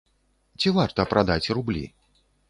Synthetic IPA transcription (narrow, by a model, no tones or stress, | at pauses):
t͡sʲivart̪ɐpɾad̪at͡sʲrublʲḭ